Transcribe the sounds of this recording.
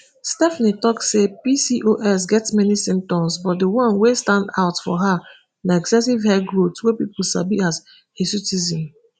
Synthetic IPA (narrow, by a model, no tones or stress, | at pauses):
stɛfnitɔksepisiʔoʔɛs̬ɡɛtsmɛnisĩmp̚tɔ̃msbɔt̚dəwʌ̃nwestãndaʊtfɔ̰ɦa | naɛksɛs̬ivhɛɡɹotswɛpipul̩sa̰biaz | esitizĩn